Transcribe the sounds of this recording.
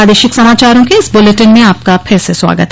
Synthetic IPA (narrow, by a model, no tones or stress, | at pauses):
aːd̪eːʃɪksɐmaːt͡ʃaːɾõkeɪsbʊleʈənmẽaːp̚kapʰɪɾseswa̰ːɡət̪